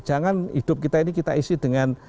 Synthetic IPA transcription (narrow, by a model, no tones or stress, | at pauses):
d͡ʒaŋanhḭd̥ʊp̚kit̪ainikit̪a̰isid̥əŋan